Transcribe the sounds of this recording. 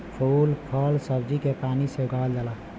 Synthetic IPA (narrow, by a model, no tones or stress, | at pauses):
pʰuːlpʰəlsəbd͡ʒikepaːniseɡʱald͡ʒala